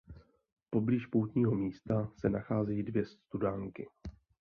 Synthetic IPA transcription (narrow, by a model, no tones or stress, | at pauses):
po̞bliːʃpowt̪ɲiːɦo̞miːst̪asɛnaxaːzɛjiːdvjɛst̪udaːŋkɪ